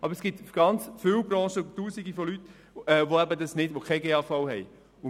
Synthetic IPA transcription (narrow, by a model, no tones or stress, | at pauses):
ʔɑbəɾsɡ̥ɪt̪ɡ̥ɑnt͡sfɪwbɾɑ̃ːʃətuːsiɡifolyt | ɛːʋoæbədɑsnɪdʋokʰeɡeːɑːfɑwɦɛj | ʊ